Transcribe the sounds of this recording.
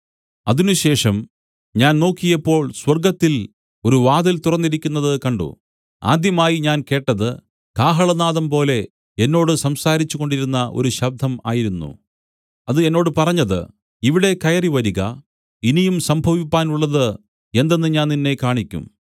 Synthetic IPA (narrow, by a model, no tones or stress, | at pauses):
ɐðinuɕe̞ːʂɐm | ɲaːnno̞ːkːijɐpːo̞ːɭswɐrɡɐt̪ːil | o̞ɾuʋaːðilt̪urɐnːiɾikʲːunːɐðɨkɐɳɖṵ | a̰ːd̪jɐmaːjiɲaːnke̞ːʈːɐðɨ | kaːɦɐɭɐnaːðɐmpo̞ːle̞ | enːo̞ːɽɨsɐmsaːɾit͡ɕːuɣo̞ɳɖiɾunːɐʔo̞̰ɾuɕɐb̚d̪ʱɐma̰ːjiɾunːṵ | ɐðɨe̞nːo̞ːɽɨpɐrɐɲːɐðɨ̰ | iʋiɽe̞kɐjɐriʋɐɾiɣɐ | inijumsɐmbʱɐʋipːaːnuɭːɐðɨ | e̞nd̪e̞nːɨɲaːnninːe̞kaːɳikʲːṵm